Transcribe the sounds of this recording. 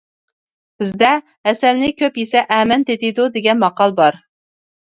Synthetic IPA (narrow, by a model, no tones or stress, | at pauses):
b̥ɪzd̪ɛ | ɛsælnɪkʲʰøpjesɛʔɛmɛnt̪et̪ɪd̪ud̪eɡʲɛnmɑqɑlˠbɑɾ